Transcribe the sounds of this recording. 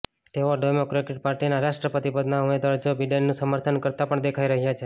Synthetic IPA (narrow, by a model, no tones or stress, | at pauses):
t̪eʋoɖojmokɾekeʈ̚paɾʈinaɾaʃʈɾəpət̪ipəd̪naumed̪ʋaɾd͡ʒobiɖelːũsəməɾt̪ʰənkəɾt̪apəɳd̪ekʰaiɾəɦjat͡ʃʰe